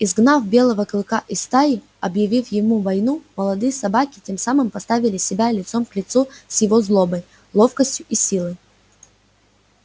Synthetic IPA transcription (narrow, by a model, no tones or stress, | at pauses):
ɪzɡnafbʲe̞lˠəvəklˠɨkaʔɪst̪aɪ | ɐbjɪvʲifjɪmuvɐjnuməlˠɐd̪ɨjəsɐbakʲɪ̥tʲe̞msamɨmpɐst̪avʲɪlʲɪsʲɪbʲalʲɪt̪so̞mklʲɪt̪susjɪvozlˠo̞bəj | lˠo̞fkəsʲtʲjʊʔisʲilˠɨj